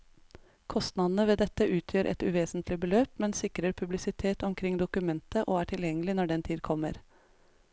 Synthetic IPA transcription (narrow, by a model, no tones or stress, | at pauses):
kʰɔst̪nɑd̪n̩əʋeːd̪ɛt̪ːəʔʉːt̪ʰjøːɾʔɛ̰t̪ʉ̰ʋeːsnt̪lɪbəløːpmɛnsɪkɾəɾpʰʉblɪsɪt̪ʰeːt̪ɔmkʰɾɪŋd̪ʊkʉmɛnt̪əʔoːæːʈʰɪljɛŋːəlɪnɔɖɛnt̪ʰiːd̪kʰɔmːə̰ɾ